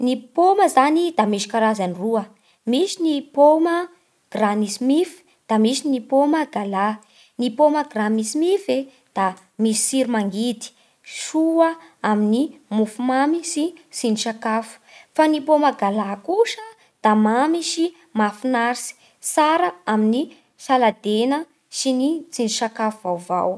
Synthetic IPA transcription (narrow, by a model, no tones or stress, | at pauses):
nipoməzanid̪amiʃi̥kaɾazaniruə | misinipomə | ɡ̥ranisimifi̥ | d̪̥amisinipoməɡala | nipoməɡɾanisimife | d̪̥a | misi̥siɾimaŋɡit̪i̥ | ʃuəaminimufumamisisiniʃakafu̥fanipomaɡalakuʃə | d̪̥amamisi | mafunaɾsi̥ | saɾəamini | salad̪enə | sinit͡siniʃakafuvawva̰w